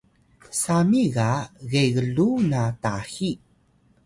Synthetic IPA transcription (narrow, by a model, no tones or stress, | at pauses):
samiɣaɣeɣəɮunataxi